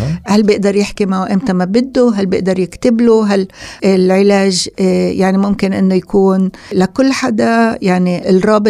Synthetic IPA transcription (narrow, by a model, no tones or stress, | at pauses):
halbjɪʔd̪ɑɾˤjɪħkimaʕwʔɪmt̪amabɪd̪ːoɦalbjɪʔd̪ɑɾˤjɪkt̪ɪbloɦalɪlʕɪlaːʒjʔaʕnimʊmkɪnʔɪnːojakuːnlakʊlːħad̪ajaʕniɪlrˤɑːbɪ